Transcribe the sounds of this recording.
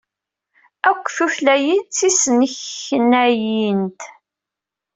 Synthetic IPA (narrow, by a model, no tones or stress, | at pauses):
ækʷːθuflæjit͡sːisənəçnæjint̪